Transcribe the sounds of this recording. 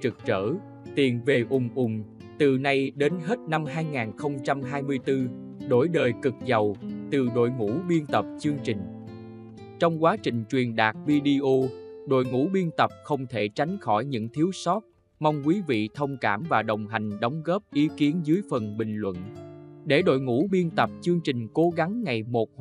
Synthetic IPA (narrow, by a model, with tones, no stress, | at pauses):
t͡ɕɨ˨˩k̚t͡ɕə̰ː˧˩˨ | t̪i˨˩ənve˨˩ʔʊ˨˩ŋ͡mʔʊ˨˩ŋ͡m | t̪ɨ˨˩na˧jɗe˨˦nɦe˦˥t̚na˧mɦaː˧jŋaː˨˩nxə˧wŋ͡mt͡ɕa˧mɦaː˧jmɨ˧əjt̪ɨ˧ | ɗo˧˩jɗəː˨˩jkɨ˨˩k̚za˨˩wt̪ɨ˨˩ɗo̰˧˨jŋṵ˧˥ɓi˧ənt̪ə˨˩p̚t͡ɕɨ˧əŋt͡ɕï˨˩ŋ̟ | t͡ɕɔ˧wŋ͡mkwaː˨˦t͡ɕï˨˩ŋ̟t͡ɕwi˨˩ənɗaː˨˩k̚vi˧ɗi˧ʔo˧ɗo̰˧˨jŋṵ˧˥ɓi˧ənt̪ə˨˩p̚xə˧wŋ͡mt̪ʰe˧˩t͡ɕa˨˦jŋ̟xɔ˧˩jɲɨ̰˧˥ŋt̪ʰi˨˦əwsɔ˦˥t̚ | ma˧wŋ͡mkwi˨˦vḭ˧˨t̪ʰə˧wŋ͡mkaː˧˩mvaː˨˩ɗə˨˩wŋ͡mɦa˨˩jŋ̟ɗɔ˨˦wŋ͡mɣɔ˦˥p̚ʔi˨˦ki˨˦ənzɨ˨˦jfə˨˩nɓï˨˩ŋ̟lwə̰˧˨nɗe˧˩ɗo̰˧˨jŋṵ˧˥ɓi˧ənt̪ə˨˩p̚t͡ɕɨ˧əŋt͡ɕï˨˩ŋ̟ko˨˦ɣa˨˦ŋːa˨˩jmo˨˩t̚